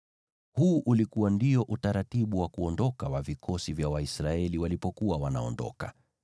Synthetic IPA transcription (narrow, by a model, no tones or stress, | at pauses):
huːʔulikuwandiɔʔutaɾatiɓuwakuɔndɔkawavikʰɔsivjawaisɾaɛliwalipɔkuwawanaɔndɔ̰ka